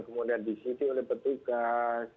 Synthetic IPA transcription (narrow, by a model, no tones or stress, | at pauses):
kəmudiandisit̪iolɛhpət̪uɡas